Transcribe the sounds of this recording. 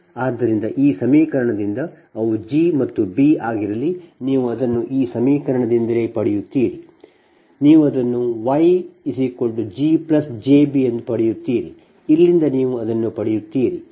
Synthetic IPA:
aːd̪ːɐɾind̪ɐʔiːsɐmiːkɐɾɐɳɐd̪ind̪ɐ | ɐʋud͡ʒimɐt̪ːubiaːɡiɾɐlːiniːʋuɐd̪ɐnːuʔiːsɐmiːkɐɾɐɳɐd̪ind̪ɐleːpɐɽɛjut̪ːiːɾi | niːʋuɐd̪ɐnːuʋɐjisiko̞ɳɖud͡ʒiplɐsd͡ʒeːbiend̪upɐɽɛjut̪ːiːɾḭ | ilːind̪ɐniːʋuɐd̪ɐnːupɐɽɛjut̪ːiːɾi

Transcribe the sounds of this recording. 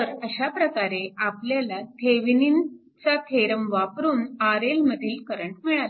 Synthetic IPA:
t̪əɾəɕapɾəkaɾeapljalat̪ʰeʋinin | t͡sat̪ʰeɾəmʋapɾuːnaɾelməd̪ʱiːlkəɾəɳʈmiɭal

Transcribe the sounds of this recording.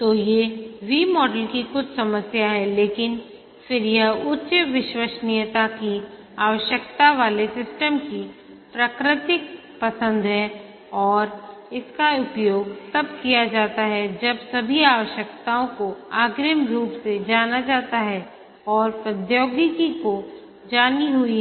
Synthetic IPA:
t̪oːjeʋiːmɔːɖəlkikʊt͡ʃʰsɐməsjaɦɛleːkɪn | fɪɾjɐɦʊtːʃʋɪʃwəʃnɪjət̪aki | aːʋəʃjəkt̪aʋaːlesɪsʈəmki | pɾakɾɪt̪ɪk̚ | pɐsə̃nd̪ɦɛ | ɔːɾɪskaʊpjoːɡsɐbkijad͡ʒaːt̪aɦɛd͡ʒɐbsɐbʱiaːʋəʃjəkt̪aõkoaːɡɾəmɾuːpsed͡ʒaːnad͡ʒaːt̪aɦɛ | ɔːɾpɾəd̪joːɡikiko | d͡ʒaːniɦʊiɦɛɛ

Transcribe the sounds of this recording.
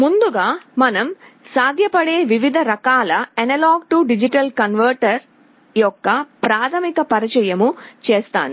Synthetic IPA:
mund̪uɡaːmɐnɐmsaːd̪ʱjɐpɐɽeːʋiʋid̪ʱɐɾɐkaːlɐɐnɐlaːɡ̚ʈuɖid͡ʒiʈɐlkɐnʋɐɾʈɐɾ | jɔkːɐpɾaːt̪ʰɐmikɐpɐɾɐt͡ʃɐjɐmut͡ʃeːst̪a̰ːnu

